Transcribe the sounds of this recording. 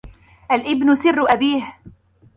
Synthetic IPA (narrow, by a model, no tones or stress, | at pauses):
ʔalʔɪbnʊsɪrːʊʔabiːh